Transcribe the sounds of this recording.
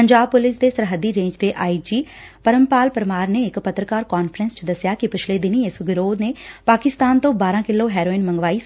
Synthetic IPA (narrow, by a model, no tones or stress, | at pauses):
pəɲd͡ʒaːb̚pʊlɪsd̪eːsəɾɦəd̪iːɾẽːɲd͡ʒd̪eːʔaːid͡ʒiːpəɾəmpaːlpəɾmaːɾneːɪkpət̪ɾəkaːɾkaːnpʰɾənst͡ʃd̪əsɪjaːkɪpɪt͡ʃʰleːd̪ɪniːɪsɡɪɾoːd̪neːpaːkɪst̪aːnt̪õːbaːɾãːkɪlːoːɦɛːɾoːɪnmə̃ŋɡʋaːiː